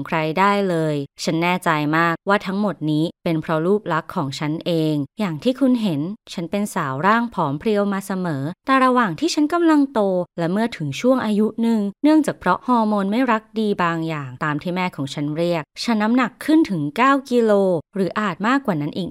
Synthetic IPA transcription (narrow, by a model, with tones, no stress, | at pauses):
kʰɾa˧jdaː˥˩jlɤː˧jt͡ɕʰa˦˥nːɛː˥˩t͡ɕa˧jmaː˥˩k̚waː˥˩t̪ʰa˦˥ŋmo˨˩t̪̚niː˦˥pe˧npʰɾɔ˦˥ɾuː˥˩p̚la˦˥kʰːɔː˩˦ŋt͡ɕʰa˦˥nʔeː˧ŋjaː˨˩ŋt̪ʰiː˥˩kʰu˧nɦe˩˦nt͡ɕʰa˦˥npe˧nsaː˩˦wɾaː˥˩ŋpʰɔː˩˦mpʰɾi˧əwmaː˧sa˧mɤː˩˦t̪ɛ˨˩ɾa˧waː˨˩ŋt̪ʰiː˥˩t͡ɕʰa˦˥nka˧mla˧ŋt̪oː˧lɛ˦˥mɯ˥˩ɐt̪ʰɯ˨˩˦ŋt͡ɕʰu˥˩əŋʔaː˧ju˦˥nɯ˨˩ŋnɯ˥˩əŋt͡ɕaː˨˩k̚pʰɾɔ˦˥hɔː˥˧moː˧nma˥˩jɾa˦˥k̚diː˧baː˧ŋjaː˨˩ŋt̪aː˧mt̪ʰiː˥˩mɛː˥˩kʰɔː˩˦ŋt͡ɕʰa˦˥nɾi˥˩ək̚t͡ɕʰa˦˥nːa˦˥mna˨˩kʰːɯ˥˩nt̪ʰɯ˩˦ŋkaː˥˩wki˧loː˧ɾɯː˩˦ʔaː˨˩t̪̚maː˥˩kːwaː˨˩na˦˥nʔiː˨˩k̚